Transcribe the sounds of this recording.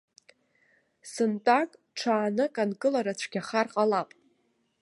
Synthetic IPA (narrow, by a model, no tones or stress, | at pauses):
sɨntʼakʼ | ʈ͡ʂʰaːnɨkʼankʼɨlaɾat͡ɕʷʰɡʲaχarqʼalapʼ